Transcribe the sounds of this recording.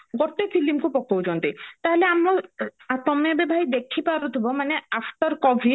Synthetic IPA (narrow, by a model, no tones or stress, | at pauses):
ɡɔt̪efʰilimkupɔkʰːowd͡ʒɔnt̪et̪aɦeleamoat̪ɔmebebʱajd̪ekʰːipaɾot̪ʰibomaneafʈɔɾkɔbʱi